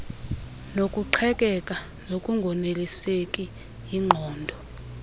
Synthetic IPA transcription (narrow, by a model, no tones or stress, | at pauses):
nokʼuǃʰɛkʼɛkʼa | nokʼuŋɡʱɔnelisekʼi | iŋ͡ǃʱɔːndʱɔ